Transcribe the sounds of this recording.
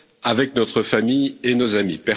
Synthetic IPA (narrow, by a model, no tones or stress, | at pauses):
avɛk̚nɔt̪χəfamijenozamipɛ